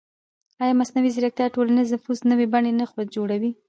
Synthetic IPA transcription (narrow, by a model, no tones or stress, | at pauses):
ɑjɑmasnawizɪɾak̚t̪jɑʈolaniznafuznəwebaɳenaxwad͡ʒoɽawi